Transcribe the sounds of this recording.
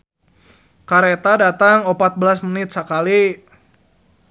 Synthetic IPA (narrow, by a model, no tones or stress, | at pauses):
kaɾet̪adat̪aŋɔpat̪̚bəlasmənɪt̪̚sakali